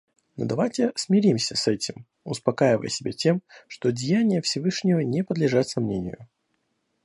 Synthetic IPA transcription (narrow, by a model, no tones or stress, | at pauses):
no̰d̪ɐvajtʲɪsmʲɪɾʲimsʲəsɛtʲɪm | ʊspɐkajɪvə̰jsʲɪbʲatʲe̞mʂt̪o̞dʲɪjanʲɪjəfsʲɪvɨʂnʲɪvənʲɪpəd̪lʲɪʐat̪sɐmnʲenʲɪ̰jʊ̰